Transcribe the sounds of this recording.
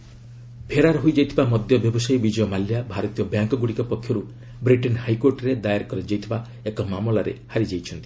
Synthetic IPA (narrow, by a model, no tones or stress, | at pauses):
bʰʱeɾaɾɦojd͡ʒajt̪ʰibamɔd̪jɔbjɔbɔsajbid͡ʒɔjɔmaljabʱaɾɔt̪ijɔbjaŋkɔɡuɽikɔpɔkʰːjɔɾu | bɾiʈɔnhajkoɾʈɾed̪ajaɾkɔɾid͡ʒajt̪ʰiba | ekɔmamɔlaɾḛhaɾid͡ʒajt͡ʃʰɔnt̪i̥